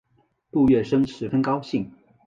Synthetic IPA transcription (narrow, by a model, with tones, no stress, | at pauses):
tu˥˧ɥɛ˥˩ʂɤ˥ŋʂɻ̩˧˥fə˥nkɑ˥ʊɕi˥˩ŋ